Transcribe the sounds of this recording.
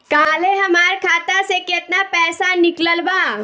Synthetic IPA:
kaːleɦɐmaːɾkʰaːt̪asekɪt̪napɛːsanɪkləlbaː

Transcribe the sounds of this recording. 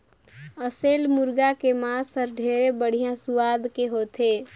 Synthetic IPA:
əselmuɾɡakemasəɾɖʱeɾebəɽ̤ijãsuʋad̪keɦot̪e

